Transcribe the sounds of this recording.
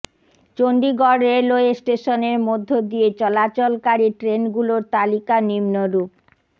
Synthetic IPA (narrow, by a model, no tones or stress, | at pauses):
t͡ɕoɳɖiɡɔɽeloesʈeʃoneɾmod̪ʱːod̪iet͡ɕɔlat͡ɕolkaɾiʈɾenɡuloɾt̪alikanimnoɾup̚